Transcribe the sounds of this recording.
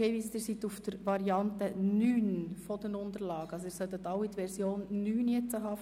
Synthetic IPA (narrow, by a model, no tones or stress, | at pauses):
eːvist̪əɾsit̪ufd̥əɾʋɑɾiɑntənyːnfɔd̥ənʊnd̪əɾlɑːɡ̥əɑlsoiɾsœt̪ːət̪ɑʊit̪ʋɛɾsjoːnːyːnjɛt͡səɦɑː